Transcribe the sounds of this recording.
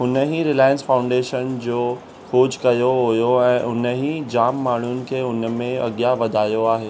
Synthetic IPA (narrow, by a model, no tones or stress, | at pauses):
ɦʊnəɦĩɾɪlaːjə̃nsfãːʊ̃ɳɖeːʃənd͡ʑoː | xoːd͡ʑkɐjoɦʊjoɛ̃ːʔʊnəɦĩd͡ʑaːmːaːɳ̤ʊnɪ̆kʰeːʊnəmẽɐ̰ɠjaʋɐd̪ʱaːjoaːɦeː